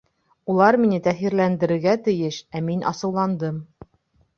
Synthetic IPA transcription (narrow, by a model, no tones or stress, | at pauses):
ulˠɑɾminɘt̪æχiɾlænd̪ɘ̆ɾɘ̆ɾɡæt̪ɘ̆jɘʃæminʔɑ̰sɤ̆wlˠɑnd̪ɤm